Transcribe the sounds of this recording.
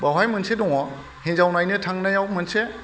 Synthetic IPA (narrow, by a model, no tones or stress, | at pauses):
bawajmɯnsedɔŋɔ | hẽnzawnajnɯtʰaŋnajawmɯnse